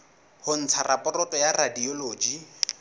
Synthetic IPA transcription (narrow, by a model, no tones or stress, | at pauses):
hʊn̩t͡sʰarapʼɔrɔtɔjaradiɔloːd͡ʒi